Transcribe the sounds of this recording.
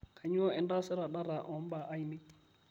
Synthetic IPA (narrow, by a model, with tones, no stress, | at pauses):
kʰa˨ɲ˦ɔ˦ɛ˨nda˦sɛ˦ɾa˨ɗa˦ɾa˨ʔɔ˨˦m˦ba˨ʔa˦jnɪ˦